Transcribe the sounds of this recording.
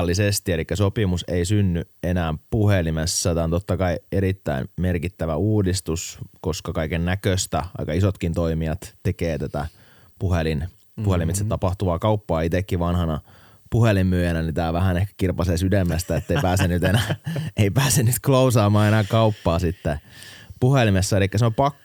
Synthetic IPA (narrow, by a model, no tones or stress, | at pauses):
lːisest̪ielikːæsopimuseisynːyenæːmpuhelimesːæt̪æːont̪ot̪ːɑkɑieɾit̪ːæ̰inmerkit̪ːæʋæuːdist̪usko̞skɑkɑikennækøst̪æʔɑ̰ikɑisot̪kint̪oimiɑt̪t̪ekeːt̪æt̪æ̰ | puhelin | puhelimit̪set̪t̪ɑpɑht̪uʋɑːkɑupːɑːit̪ekːiʋɑnhɑnɑ̰ | puhelimːyøjænænit̪æːʋæhænehkæ̥kirpɑseːsydemːæst̪æet̪ːeipæːsennyt̪enæːeipæːsennyt̪klousɑːmɑːenæːkɑupːɑːsit̪ːepuhelimesːæelikːæseompɑkː